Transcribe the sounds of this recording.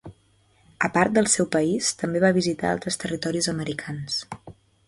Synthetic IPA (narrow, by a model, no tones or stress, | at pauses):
əpaɾt̪̚d̪əlˠsɛwpəist̪əmbeβaβizit̪a̰a̰lˠt̪ɾəst̪ərit̪ɔɾizəməɾikʰans